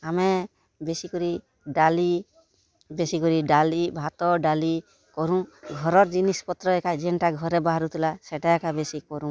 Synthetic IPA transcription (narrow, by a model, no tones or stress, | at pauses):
amɛ | besikɔɾi | ɖali | besikɔɾiɖalibʱat̪ɔɖali | kɔɾũɡʱɔɾɔɾd͡ʒinispɔt̪ɾɔɛkad͡ʒɛɳʈaɡʱɔɾɛbaɦaɾut̪ilasɛʈaɛkabesikɔɾũ